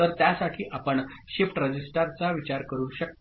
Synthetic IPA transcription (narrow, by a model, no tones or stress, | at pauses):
əɾt̪jasaʈʰiːʔapəɳɕifʈɾəd͡ʑisʈaɾt͡saʋit͡ɕaɾkəɾũːɕək